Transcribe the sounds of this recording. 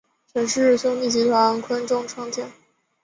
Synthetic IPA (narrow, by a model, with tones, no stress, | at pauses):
t͡ɕʰə˧˥nʂɻ̩˥˧ɕʊ˥ŋt̪i˥˩t͡ɕi˧˥t̪ʰwa˧˥nkʰwə˥nʈ͡ʂʊ˥˩ŋʈ͡ʂʰɑ˥ŋt̪ʰi˨˩˦ŋ